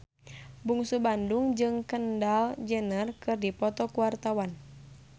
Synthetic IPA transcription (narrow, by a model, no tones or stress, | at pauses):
buŋsubanduŋd͡ʒɨŋkəndald͡ʒənərkɨrdipɔt̪ɔkuwart̪awan